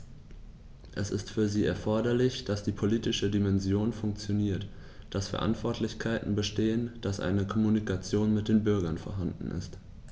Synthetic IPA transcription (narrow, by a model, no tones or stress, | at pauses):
ʔɛsɪstfyːɐziːɛɐfɔɐdɐlɪçd̥asd̥iːpʰoliːtɪʃədimɛnzjoːnfʊŋk̚t͡sjoniːɐt | d̥asfɛɐʔa̰ntv̥ɔɐtʰlɪçkʰaɪtn̩bəʃteːənd̥asʔa̰ɪnəkʰɔmunikʰat͡sjoːnmɪt̚d̥eːnbʏɐɡɐnfɔɐɦandn̩ʔɪ̰st